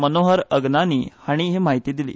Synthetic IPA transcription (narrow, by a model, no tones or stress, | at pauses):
mənoɦəɾəɡnaniːhaɽ̃iɦemaɦit̪iːd̪ilḭː